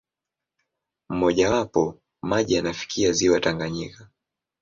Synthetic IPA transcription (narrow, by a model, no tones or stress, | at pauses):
m̩mɔʄawapɔ | maʄijanafi̥kʰiaziwataŋɡaɲika